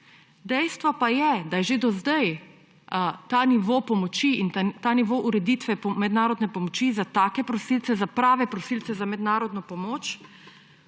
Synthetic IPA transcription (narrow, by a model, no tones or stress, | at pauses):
d̪ɛjst̪ʋɔpajɛd̪ajɛʒed̪ɔzd̪ɛj | t̪aniʋoːpɔmɔt͡ʃiint̪aːniʋoːʔuɾɛd̪iːt̪ʋɛpmɛd̪naːɾɔd̪nɛpɔmɔt͡ʃizat̪aːkɛpɾɔsilt̪sɛzapɾaːʋɛpɾɔsilt̪sɛzamɛd̪naːɾɔd̪nɔpɔmoːt͡ʃ